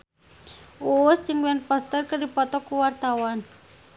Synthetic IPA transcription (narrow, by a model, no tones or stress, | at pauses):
ust͡ʃɨŋwɛnpɔst̪ərkɨrdipɔt̪ɔkuwart̪awan